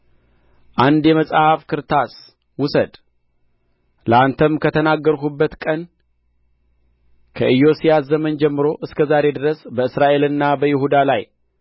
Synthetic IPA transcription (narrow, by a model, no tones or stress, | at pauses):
ʔand̪jɛməsʼhafkʰɨɾt̪ʰas | wʊsəd̪ | ləant̪ʰəmkʰət̪ʰənaɡːəɾkubːət̪kʼən | kʰəʔɨjːo̞sijaszəmənd͡ʒɛmːɨɾo̞ʔɨskʰəzaɾe̞d̪ɨɾəsbəɨsɾaʔe̞lɨnːabəjɪɦud̪alaj